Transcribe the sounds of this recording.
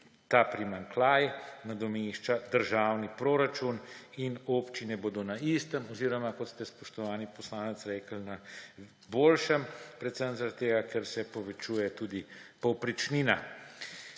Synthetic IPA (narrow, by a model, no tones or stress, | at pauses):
t̪aːpɾimaŋklaːjɛnad̪ɔmeːʃt͡ʃad̪əɾʒaːwnipɾoːɾat͡ʃuninopt͡ʃinɛbod̪onaist̪əmɔziːɾɔmakɔt̪st̪ɛspɔʃt̪ɔʋaːnipɔslaːnɛt̪sɾɛːkəlna | boːlʃəmpɾɛt̪səmzaɾat̪ːeːɡakʰɛɾsɛpɔʋɛt͡ʃuːjɛt̪uːd̪ipɔwpɾit͡ʃnina